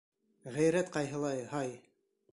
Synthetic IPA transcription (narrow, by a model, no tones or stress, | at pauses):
ʁæjɾæt̪qɑjɦɤ̆lˠɑjhɑj